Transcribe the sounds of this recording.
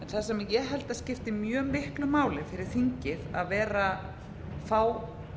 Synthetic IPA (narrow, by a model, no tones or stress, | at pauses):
ɛnθasɛmjɛɦɛlt̪ascɪft̪ɪmjœːmɪhklʏmaːwlɪðfɪɾɪɾ̥θiɲcɪða̰ðvɛːɾa | faːw